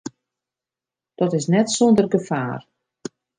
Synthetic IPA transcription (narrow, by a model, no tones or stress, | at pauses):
d̥ɔtɪsnɛtsondərɡəfa̰ːr